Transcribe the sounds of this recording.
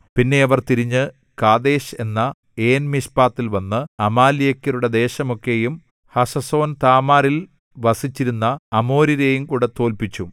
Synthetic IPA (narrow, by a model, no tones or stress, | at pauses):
pinːe̞ɐʋɐrt̪iɾiɲːɨ | kaːd̪e̞ːɕe̞nːɐ | e̞ːnmiɕpaːt̪ːilʋɐnːɨɐmaːlijekʲːɐɾuɽe̞d̪e̞ːɕɐmo̞kːe̞jum | hɐsɐso̞ːnt̪aːmaːɾil | ʋɐsit͡ɕːiɾunːɐɐmo̞ːɾiɾejumkuːɽet̪o̞ːlpit͡ɕːu